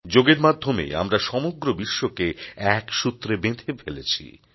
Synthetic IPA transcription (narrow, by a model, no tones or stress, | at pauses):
d͡ʑoɡeɾmad̪ʱːomḛa̰mɾaʃɔmoɡɾobiʃːokeɛkʃut̪ːɾebed̪ʱefʰelet͡ɕʰḭ